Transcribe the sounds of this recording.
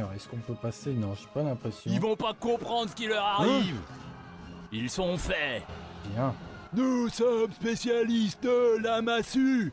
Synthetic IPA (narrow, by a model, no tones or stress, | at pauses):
ʁɛskɔ̃pøpasenɔ̃ʒepalɛ̃pχesjɔ̃ilvɔ̃pakɔ̃pχɑ̃d̪ʁsəkilœʁaʁiiv | ilsɔ̃fɛbjɛ̃nusɔmspesjalist̪̚d̪əlamasy